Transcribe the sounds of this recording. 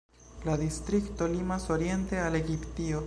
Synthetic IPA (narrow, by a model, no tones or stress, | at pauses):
laðist̪ɾikt̪o̞limasoɾje̞nt̪e̞aleɡipt̪io